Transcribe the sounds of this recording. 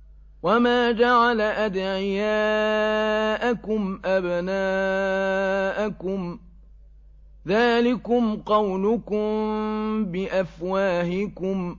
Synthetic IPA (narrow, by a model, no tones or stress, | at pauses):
wamaːd͡ʒaʕalaʔad̪ʕɪjaː | ʔakʊmʔabnaː | ʔakʊm | ðaːlɪkʊmqɑwlʊkʊm | bɪʔafwaːɦɪkʊm